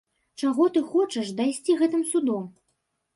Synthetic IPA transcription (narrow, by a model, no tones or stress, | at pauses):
t͡ʂaɣɔt̪ɨxɔt͡ʂɛʂd̪ajsʲt͡sʲiɣɛt̪ɨmsud̪ɔm